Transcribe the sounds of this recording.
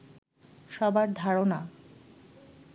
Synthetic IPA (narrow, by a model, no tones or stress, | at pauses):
ʃɔbaɾd̪ʱaɾona